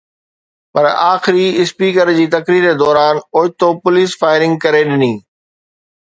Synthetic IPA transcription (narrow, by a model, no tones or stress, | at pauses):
pɐɾaːxɪɾiɪspiːkəɾd͡ʑiːt̪ɐkɾiːɾed̪ɔːɾaːnoːɪt̪opʊliːsfaːɪɾɪ̃ŋɡ̚kɐɾeɗɪniː